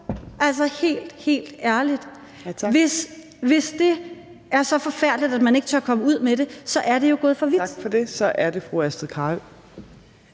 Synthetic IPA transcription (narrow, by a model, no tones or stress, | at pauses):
ʔæl̰sɐhe̝̰ːld̥he̝̰ːld̥æɐlid̥ | ʋe̝s | ʋe̝sd̥e̝ | æɐsɒ̽fɒ̽fæɐ̰d̥lid̥æd̥mæne̝ɡ̥ət͡sʰøɐkʰɒ̽məuð̞̰ˠmeɾ̥e̝sɒ̽ʔæɐɾe̝jo̝ɡ̥ɔ̽ːðˠfɒ̽ʋi̥fɒde̝sɒ̽ʔæɐd̥e̝fʁuæsd̥ð̩ˠkʰɑ̈ː